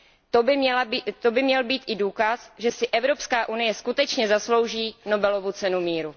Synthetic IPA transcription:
t̪oɪɛlat̪obɪmɲɛlbiːt̪ʔɪduːkasʒɛsɪʔɛvɾo̞pskaːʔunɪjɛskut̪ɛt͡ʃɲɛzaslo̞wʒiːno̞bɛlo̞vut͡sɛnumiːɾu

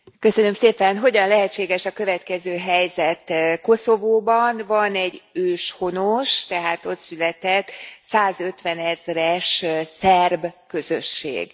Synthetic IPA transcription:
kø̞sø̞nø̞mseːpɛnɦo̞ɟɒnlɛɦɛt͡ʃːeːɡɛʃɒkøvɛt̪kɛzøːɦɛjzɛt̪ko̞so̞voːbɒnvɒnɛɟːøːʃho̞noʃt̪ɛɦaːt̪o̞t̪sylɛt̪ɛt̪ːsaːzø̞t̪ʋɛnɛzrɛʃsɛrbkø̞zø̰ʃːḛːɡ

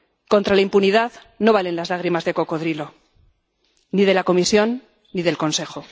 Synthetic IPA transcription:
ko̞nt̪ɾalaimpuniðað | no̞β̞ale̞nlazlaɣ̞ɾimazðe̞ko̞ko̞ð̞ɾilo̞ | nið̞e̞lako̞misjo̞nː | iðe̞lko̞nse̞xo̞

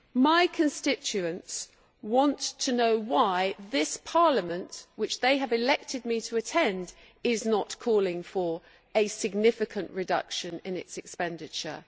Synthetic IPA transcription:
maɪkʰə̃nstɪt͡ʃʉə̃nts | wɑ̃ntʰənoʊwaɪðɪspʰɑɹləmə̃nʔwɨt͡ʃðeɪəvɨlɛk̚tʰɨd̚mitʰəːtʰɛ̃nd | ɪznətkʰɔlˠɪ̃ŋfə˞ | ɨsɨɡ̚nɪfɨkʰə̃nʔɹɨdʌ̰kʃɨ̃nɪ̃nɪ̰tsɨkspɛ̃ndɪt͡ʃə̰

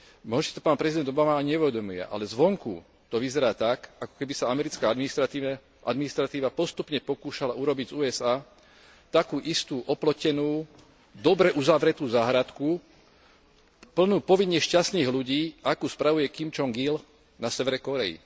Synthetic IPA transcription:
mɔɦɔsit̪ɔ̥paːnpɾɛzid̪ɛnd̪ɔbamaajɲɛuʋɛd̪ɔmujɛ̰ʔa̰lɛzʋɔŋkṵ | t̪ɔʋizɛɾaːt̪akakɔ̥kɛbisaamɛɾit͡skaːd̪miist̪ɾat̪i | ʔa̰d̪minist̪ɾat̪iːʋapɔst̪upɲɛpɔkuːʃalauɾɔbiɟzuːɛzaː | t̪akuːʔist̪uːʔɔplɔcɛnuː | d̪ɔbɾɛʔuzaʋɾɛt̪uːzaɦɾat̪ku | pl̩nuːpɔʋiɲːɛʃcast̪niːɣluɟiːʔakuːspɾaʋujɛkimt͡ʃɔŋɡil | nasɛʋɛɾɛkɔɾɛḭ

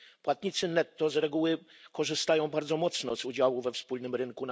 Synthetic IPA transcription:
pwat̪ɲit̪sɘnɛt̪ːɔzɾɛɡuwɘkɔʐɘst̪ajɔ̃w̃baɾd̪zɔmɔt̪snɔzud͡ʑawuvɛfspulnɘmɾɘŋkun

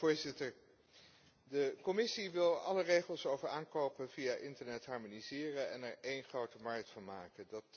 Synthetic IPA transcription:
oːɹzɪtəɹ | dəkɔmɪsiʋɪlˠɑlərejχəlˠsowvəɹaːŋkowpənvijaʔɪntəɹnɛtɦɑɹmonizɪːrənɛ̰nɛɹejnχrowtəmɑɹk̚tfɑnmaːkəndɑt

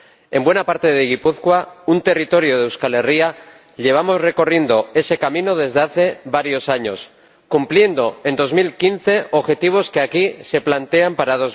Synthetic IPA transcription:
e̞mbwe̞napaɾt̪e̞ðeɣipuθkwaunt̪e̞rit̪o̞ɾjoðewskale̞ria | ʎe̞β̞amo̞zre̞ko̞rje̞nd̪o̞e̞se̞kamĩno̞ð̞e̞zðeaθe̞βaɾjo̞saɲo̞s | kumplje̞nd̪o̞e̞nd̪o̞zmilkinθe̞oβxe̞t̪iβ̞o̞ske̞akise̞plant̪e̞ampaɾaðoz

